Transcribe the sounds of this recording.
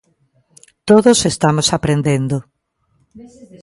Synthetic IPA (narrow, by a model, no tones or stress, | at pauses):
t̪oðosest̪amosapɾend̪end̪o